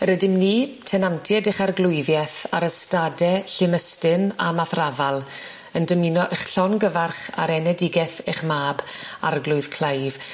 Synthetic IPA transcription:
əɾədɪmniːtʰɛnantʰjɛdɪχarɡlˠʊɨvjɛθaɾəstadɛɬɪməstɪnamaθravalˠ | əndəminɔʔeχɬɔnɡəvarχa̰ɾɛnɛdɪɡɛθeχmaːbarɡlˠʊɨð̥kʰl̥ˠajv̥

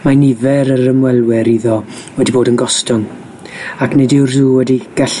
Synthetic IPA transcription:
manɪvɛɾəɾəmwɛlˠwɛɾiðɔ | wɛdiboːdənɡɔstɔn | aknedɪwrðuːwɛdiɡ̥aɬ

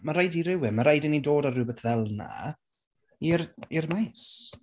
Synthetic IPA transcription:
maɾajdiɾɪwɪmaɾajdɪnidoːdarubɛθðɛlˠna̰ | iɾirmajs

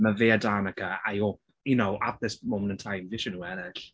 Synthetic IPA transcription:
məveːadanəkəajɔp | jənowʔap̚ðɪsmowmənə̃ntʰajmvɪʃənuɛnɛɬ

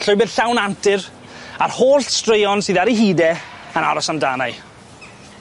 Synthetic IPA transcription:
ɬʊjbɛðɬawnantʰɪɾ | arhoːɬstrejɔnsɨːðaɾiɦiːdɛəna̰ɾɔsamdaːnaj

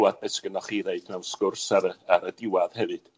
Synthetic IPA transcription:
wad̚bɛsɡ̥ənaχiːðeɨdnɛwskʊrsaɾəaɾədɪwaðhɛvɨd̥

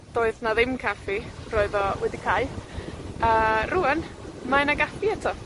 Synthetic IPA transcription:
d̥oːɨðnaðɪmkʰafi̥rɔɨðɔwɛdikʰaɨ | əruənmaɛnaɡafiɛtʰɔ

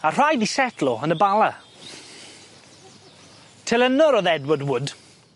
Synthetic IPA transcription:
ar̥ajðisɛtʰlɔənəbalˠa | tʰɪlˠənɔɾɔðɛdwɔdwʊd

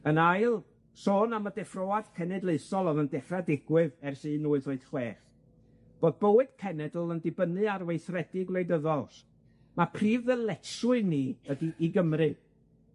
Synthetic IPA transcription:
ənajlˠ | soːnamədɛfroːad̥kʰɛnɛdlˠeɨsɔlˠɔðəndɛχradɪɡ̥wɨðɛrsɨːnuːɨðoɨd̥χweːχ | b̥oːð̚bowɨd̥kʰɛnɛdl̩ˠəndɪbənɨarwejθrɛdɪɡlˠejdəðɔlˠs | mapʰriːvðəlˠɛsʊɨniədiʔiɡəmrɨ

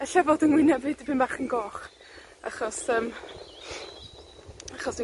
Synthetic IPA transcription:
əɬavɔdənwɪnɛvɨd̥bʰɪnbaχənɡɔːχ | a̰χɔsəːm | aχɔs

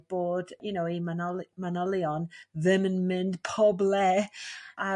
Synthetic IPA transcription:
b̥oːd̥junowimanɔlmanɔlˠiɔnðɪmənmɨnd̥pʰɔblɛ | a

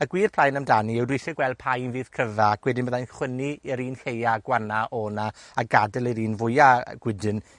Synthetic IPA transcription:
əɡwiːrpʰl̥ˠajnəmdaniɛwdwɪsɛɡ̥wɛlˠd̚pʰajnviːð̥kʰəvaːkʰwɛdɪnmbəðajnχwɪniːɾiːnhejaɡwanaʔɔːnaaɡadɛlˠiɾiːnvʊjaɡ̥wɪdɨn

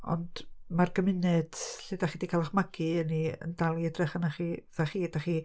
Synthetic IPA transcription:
ɔ̰nd̥marɡəmɪnɛd̥ɬedaχiːdikʰalˠaχmaɡɨəniə̰ndalˠiədrɛχanaχiðaχiːdaχi

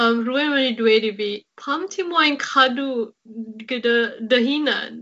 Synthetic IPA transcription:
mɾuemɐnidueɾibipʰamtʰimɔjnkʰadu | ɡədɐdəɦina̰n

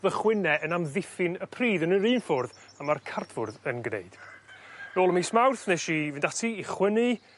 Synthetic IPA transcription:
ðəχwɪnɛʔənamðɪfɪnəpʰriːðənəɾiːnfʊrðamarkʰardvʊrðənɡnḛɨd̥ | noːlˠəmismawrθnɛʃivɪndatʰiːχwənɨ

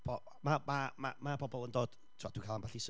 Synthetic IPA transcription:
b̥ɔ | mamamamabɔbɔlˠəndoːd̥ | tʰad̥wikʰalˠanmbaɬis

